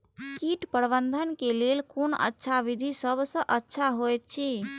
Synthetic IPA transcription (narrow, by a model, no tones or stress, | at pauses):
kiʈpəɾbənd̪ʱənkelelkonə̰tːʃʰaβid̪ʱisəbʱsə̃ʔətːʃʰaɦojt̪̚t͡ʃʰi